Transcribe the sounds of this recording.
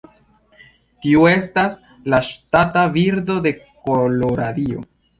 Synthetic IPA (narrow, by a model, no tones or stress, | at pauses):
tiue̞stas | laʃtataviɾdo̞de̞koloɾadio̞̰